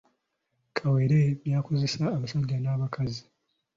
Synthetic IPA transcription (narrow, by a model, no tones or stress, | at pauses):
kʰaweɾeβjaːkoze̞saːβasaɟːanaːβakʰazi